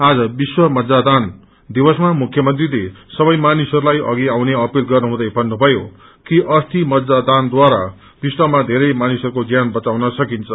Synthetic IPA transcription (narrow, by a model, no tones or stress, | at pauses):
ad͡zʌbiswʌmʌd̪d͡zad̪an | d̪ibʌsmamukʰjʌmʌnt̪rilesʌbʌjmanisʌɾulajʔʌ̰ɡiawneʌpilɡʌrnuɦũd̪ʌjbʱʌnːubʱʌjo | kiʔʌst̪imʌd̪d͡zad̪and̪waɾa̰ | b̥iswʌmad̪ʱeɾʌjmanisʌɾukod͡zjanbʌt͡sawnʌsʌkint͡sʰʌ